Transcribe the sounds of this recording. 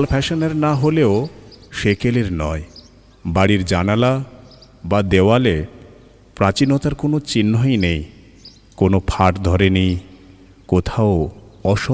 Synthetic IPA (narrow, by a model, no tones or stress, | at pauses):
lpʰɛʃoneɾnaɦoleoʃekeleɾnɔe | baɽiɾd͡ʑanala | bad̪ewale | pɾat͡ɕinot̪aɾkonot͡ɕinːojnej | konopʰaʈd̪ʱɔɾenij | kot̪ʰaoɔʃ